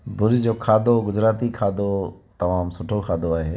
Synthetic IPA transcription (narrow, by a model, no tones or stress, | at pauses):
bʊɾd͡ʑoːkʰaːd̪oɡʊd͡ʑɾaːt̪ikʰaːd̪ot̪ɐmaːmsʊʈʰokʰaːd̪oaːɦeː